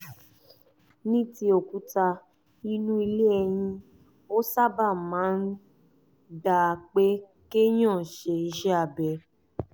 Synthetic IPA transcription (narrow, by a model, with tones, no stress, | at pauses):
nĩ˦ti˧˦o˨ku˨˦ta˧ | i˧nũ˦i˧le˦ɛ˧j̃ĩ˧ | o˦sa˦ba˦˨mãː˨˦n̩˦ | da˨k͡pe˦ | ke˦j̃ã˦˨ʃe˧ʃɛ˦a˨bɛ˧˨